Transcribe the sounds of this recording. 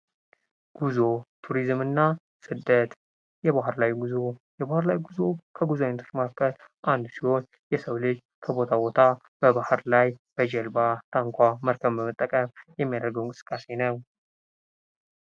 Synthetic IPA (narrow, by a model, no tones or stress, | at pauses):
ɡ̥uzot̪ʰuɾizmɨnːa | sɨd̪ːət̪ | jɛβaɦɨɾlawjɡuzojɛβahɨɾlawjɡuzo̞kʰəɡuzoajnət̪ʰot͡ʃːmakʰːət̪ | ʔand̪usiho̞n | jɛsəwlɨd͡ʒ | kʰəbo̞t̪ʰabo̞t̪ʰa | b̥əbahɨɾlajb̥əd͡ʒɛlbat̪ʰaŋkʷaməɾkʰəβbəmət̪ʼːəkʼəmjɛmːijad̪əɾɡəwnkʼɨsɨ̥kʼːase̞nəw